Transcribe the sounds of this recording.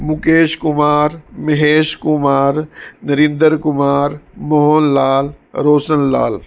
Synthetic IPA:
mukeːʃkʊmaːɾmɐɦeːʃkʊmaːɾnɐɾĩnd̪əɾkʊmaːɾmoɦoːnlaːlɾoːsənla̰ːl

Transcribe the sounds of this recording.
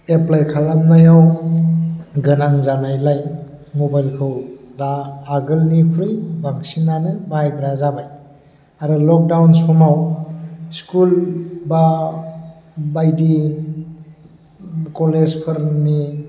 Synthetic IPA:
eplajkʰalamnajaw | ɡɯnaŋzanajlajmobajlkʰɯwɾaːɡɯlnikʰuɾijbaŋsinanɯmajɡɯɾazabaj | aɾɯlɔk̚dawnsɔmaw | skulba | bajdi | kɔlezpʰɯɾmi

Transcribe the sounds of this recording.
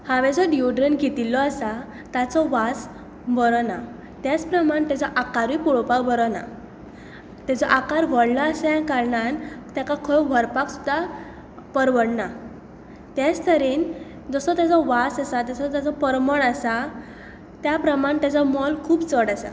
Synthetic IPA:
hãʋɛd͡zɔɖioɖɾenɡʱet̪ilːɔasa | t̪at͡sɔʋat͡s | bəɾɔna | t̪jat͡spɾəmaɳt̪jat͡sɔʔakaɾipuɭɔpakbəɾɔna̰ | t̪jat͡sɔʔakaɾʋəɽnaːsãkaɾɳant̪jakakʰəʋʱəɾpaksud̪ʱa | pəɾʋəɽna | t̪jat͡st̪ʰəɾiːn | d͡zəsɔt̪jat͡sɔʋasasat̪̬jasɔt̪jat͡sɔpəɾməɳasa | t̪japɾəmaɳt̪jat͡sɔmɔlkʰuːpt͡sɔɽasa̰

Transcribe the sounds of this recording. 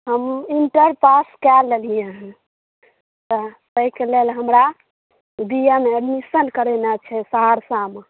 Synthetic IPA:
ɦəmiɳʈəɾpaskɛlːelijẽɦ | t̪ɔt̪əikelelɦəmɾa | bijameəɖmisənkəɾenat͡ʃʰɛsaɦaɽsame

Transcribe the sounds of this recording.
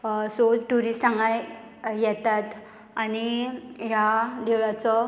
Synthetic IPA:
soʈuɾisʈãŋɡaj | jɛt̪at̪ | aniɦjad̪ewɭat͡sɔ

